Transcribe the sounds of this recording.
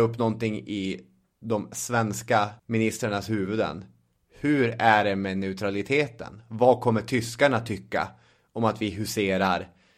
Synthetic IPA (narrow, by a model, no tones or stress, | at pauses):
ɵpːnɔnt̪ɪŋːɪ | d̪ɔmsvɛnskamɪnɪst̪ɾaɳashʉ̟ːvɵd̪ə̰n | hɵɾæɖɛmɛnɛʉt̪ʰɾalɪt̪ʰeːt̪ə̰nvɑkʰɔmːəʈʰʏskaɳat̪ʰʏkːa̰ | ɔmat̪vɪɦɵseːɾaɾ